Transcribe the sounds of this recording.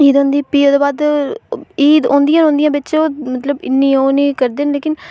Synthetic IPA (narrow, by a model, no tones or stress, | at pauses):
iːd̪õːnd̪iːpiːoːd̪eːbaːd̪ | iːd̪õ̰ːnd̪ijãːɦõːnd̪ɪjãːbɪːt͡ʃoːmət̪ləbɪ̰nːĩːoːniːkəɾd̪eːnleːkɪn